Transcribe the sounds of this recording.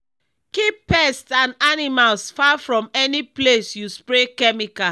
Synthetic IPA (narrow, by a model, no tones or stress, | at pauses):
kippːɛstãnanimalsfafɹɔ̃mɛniplesjuspɹekɛmika